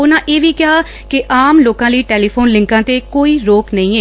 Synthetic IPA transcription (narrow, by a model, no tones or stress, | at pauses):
ʊnãːʔeːʋiːkɪaː | kɪʔaːmloːkãːləiːʈeːliːpʰoːnlɪ̃ŋkãːt̪eːkoːiːɾoːknəĩːeː